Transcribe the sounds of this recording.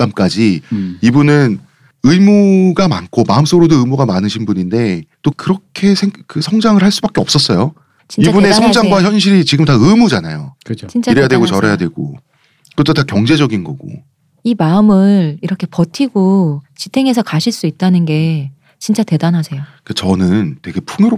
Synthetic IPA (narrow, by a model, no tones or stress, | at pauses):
k͈amk͈ad͡ʑiibunɯn | ɯimuɡama̰nkʰomaɯms͈ʌɡɾodoɯmuɡamanɯɕʰinbuɲinde̞t͈okɯɾʌkʰe̞sʰeŋkɯsʰʌŋd͡ʑaŋɯɭhaɭs͈ubak͈e̞ʌp̚s͈ʌs͈ʌjo | t͡ɕiibune̞sʰʌŋd͡ʑaŋɡwaçjʌnɕ̬ʰiɾit͡ɕiɡɯmtaɯmud͡ʑanajot͡ɕt͡ɕint͡ɕ͈iɾejadwe̞ɡot͡ɕʌɾejadwe̞ɡo̰ | kɯt͈otakjʌŋd͡ʑe̞d͡ʑʌɡinɡʌ̰ɡo̰ | imaɯmɯɾiɾʌkʰe̞pʌtʰiɡot͡ɕitʰe̞ŋe̞s̬ʰʌkaɕʰiɭs͈uit̚t͈anɯnɡe̞ | t͡ɕint͡ɕ͈ate̞danasʰe̞jo | ket͡ɕʌnɯnte̞ɡe̞pʰuŋoɾo